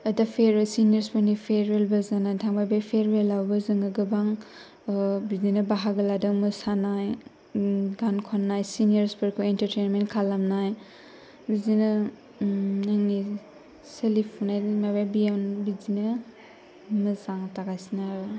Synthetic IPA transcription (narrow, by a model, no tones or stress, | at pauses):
ɐdapʰeɾesinijɐɾspɯɾnipʰeɾelbɐzanajtʰaŋbajbajpʰeɾbelawbɐzɯŋɯɡɯbaŋ | bizinɐbaɦaɡɯladɯŋmɯsanaj | ɡankʰɔnːajsinijeɾspɯɾkʰuentɐɾtenmenkʰalamnaj | bizinɐ | naŋni | selipʰunajmababijawnbizinɐ | mɯzaŋtaɡajsinab